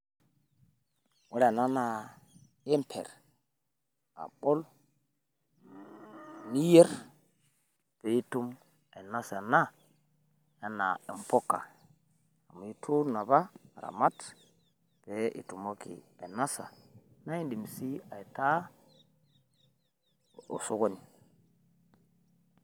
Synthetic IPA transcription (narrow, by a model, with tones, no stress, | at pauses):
wa˦ɾna˦na˨ | e˦mpʰḛ˨ɾ | a̰˨ɓo˦l | ni˦je˦ɾ | pe˨i˦tu˦m | a˨na˦sa˨na˦ | ja˦na̰˨i˨mpo˦ka̰˨ | a˨mu˨i˦tʰu˦na˨ba˦˨ɾa̰˨ma˦t | pe˨˦ʔḭ˨tu˨mo˦kḭ˨ | a̰˨na˦sa̰˨na˦i˦ndi˨msi˦a˨i˨ta˦ | o̰˨so˦ɡo˦ni˨